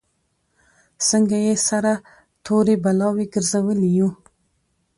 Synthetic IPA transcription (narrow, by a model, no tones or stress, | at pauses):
səŋɡajesaɾa | t̪ʰoɾebalɑweɡəɾzawəliju